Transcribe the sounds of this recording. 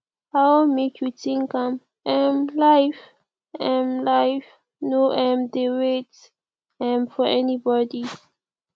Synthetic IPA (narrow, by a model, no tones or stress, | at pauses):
hamekʰjutĩŋkãm | ɛ̃mlaɪf | ɛ̃mlajf | noʔɛ̃mdeɹet | ɛ̃mfɔɛnibɔdi